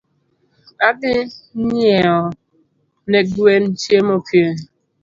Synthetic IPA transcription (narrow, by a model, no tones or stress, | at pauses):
adɪɲ̩ɲeɔ | neɡuen̩t͡ʃiemopie